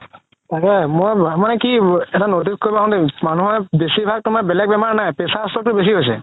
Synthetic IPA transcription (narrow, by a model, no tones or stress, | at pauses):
takɛmojmanɛkiɛtanotiskoɹibaɦtɛmanuɦɔbesibʱaɡ̚tʊmanbɛlɛɡ̚bɛmaɹnajpɛsastɔtʊbes̬iɦojsɛ